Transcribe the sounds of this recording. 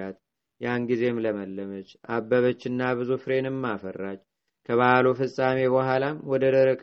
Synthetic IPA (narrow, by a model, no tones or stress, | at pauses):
at̪ | janɡize̞mləməlːəmət͡ʃʔabːəβət͡ʃːɪnːaβɨzufɨɾe̞nɨmːafərːat͡ʃː | kʰəβalofɨsʼame̞βəɦalamwɔd̪əd̪əɾəkʼ